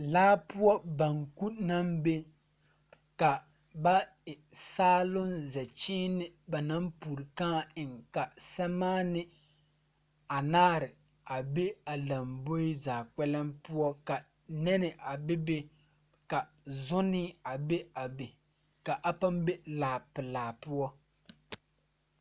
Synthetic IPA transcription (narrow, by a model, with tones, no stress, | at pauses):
laː˦pʊ˦ɔ˦ba˨ŋku˦na˦mbe˦ | ka˨ | ba˦ | ɪ˨saː˦lʊ˦nzɛ˨t͡ʃi˦nɪ˦ba˨na˦mpu˨ɾɪ˨kaː˦ɪ˨ŋka˨sɛ˦maː˦nɪ˦ | a˨naː˦ɾɪ˨ | a˨be˦a˨la˨mbo˦ɪ˦zaː˨k͡pɛ˦lɛ˦mpʊ˦ɔ˦ka˨ | nɛ˦nɪ˨ʔa˨bɪ˦be˦ | ka˨ | zʊ˦nɪ˦a˨be˦a˨be˨ | ka˨ʔa˦pa˦mbe˦laː˨pɪ˨laː˨pʊ˦ɔ˦